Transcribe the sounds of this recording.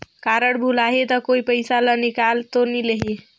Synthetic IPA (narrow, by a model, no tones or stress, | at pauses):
kaɾəɽbʱulaɦet̪ɔkoipəjsalənikalt̪onileɦie